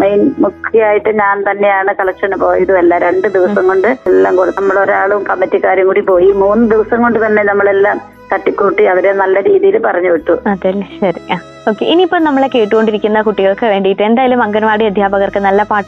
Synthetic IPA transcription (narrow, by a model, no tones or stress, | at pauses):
mejnmukʰːjaːjiʈːɨɲaːnt̪ɐnːe̞jaːɳɨkɐɭɐkʂɐnɨpo̞ːjiðuelːaɾe̞ɳɖɨd̪iʋɐsɐŋko̞ɳɖɨelːaːmkoːɽnɐmːɐɭo̞ɾaːɭumkɐmːɐtːikːaːɾjɐŋkuːɽipo̞ːjimuːnːɨd̪iʋɐsɐŋko̞ɳɖɨt̪ɐnːe̞nɐmːɐɭelːaːm | kɐʈːikːuʈːiɐʋiɾenɐlːɐɾiːðijilupɐrɐɲːuʋiʈːuɐðɐlːɐɕɐɾia | o̞ːkːe̞ʔiniːpːoːɭnɐmːɐɭe̞kːe̞ːʈːuɣo̞ɳɖiɾikʲːunːɐkuʈːiɣɐɭkɨʋe̞ːɳɖijiʈːue̞nd̪aːjɐlumɐŋɡɐnɐʋaːɽiɐd̪ʱjaːbɐɣɐrkɨnɐlːɐpaːʈː